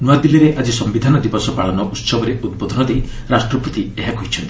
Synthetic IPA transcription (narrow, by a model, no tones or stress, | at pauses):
nuwad̪iliɾeʔad͡ʒisɔmbid̪ʱanɔd̪ibɔsɔpaɭɔnɔʔut̪sɔbɔɾeʔud̪̚bod̪ʱɔnɔd̪ej | ɾasʈɾɔput̪ieɦakɔɦit͡ʃʰɔnt̪i̥